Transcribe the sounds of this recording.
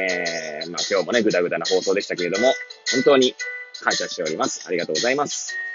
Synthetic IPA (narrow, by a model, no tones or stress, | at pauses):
eːmaːkʲo̞ːmo̞ne̞ɡɯ̟d̪aɡɯ̟d̪anoho̞ːso̞ːd̪ei̥t̪ake̞ɾe̞d̪o̞mo̞hõ̞nt̪o̞ːɲ̟ikãɰ̃ɕaɕi̥t̪e̞o̞ɾʲimasɨ̥aɾʲiɡat̪oːɡozaimasɨ̥